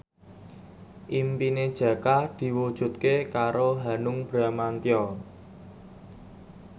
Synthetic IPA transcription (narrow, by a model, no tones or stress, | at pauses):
ʔimpined̥ʒ̥ä̤kad̪̥i̤wud̥ʒ̥ṳt̪kekaɾoɦanʊŋb̥ɾamant̪jɔ